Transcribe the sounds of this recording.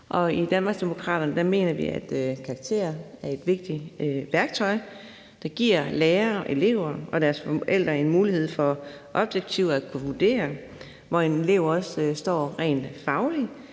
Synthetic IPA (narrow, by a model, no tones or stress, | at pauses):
ʔɒ̽id̥ænmɑ̈ɡ̥sd̥e̝mo̝kʰʁɑ̰̈ːd̥ɐnəd̥ɑ̈me̝̰ːnɐʋḭæd̥kʰɑ̈ɑ̈ɡ̥t͡sʰe̝̰ːɐæɐe̝d̥ʋe̝ɡ̥̚d̥iʋæɐɡ̥̚t͡sʰɒ̽ɪ | d̥ɑ̈ɡ̥iɐ̰leːɐʔe̝le̝̰ʊɐɒ̽d̥æɐsfɒʔel̰d̥ʁɐe̝nmuːlihe̝ð̰ˠfɒ̽ | ʔɒ̽b̥jeɡ̥̚t͡sʰiʊækʰuʋud̥e̝̰ːɐ | ʋɒene̝le̝ʊɒ̽ssd̥ɒ̰ːʁɛ̰ːnfɑ̈ʊli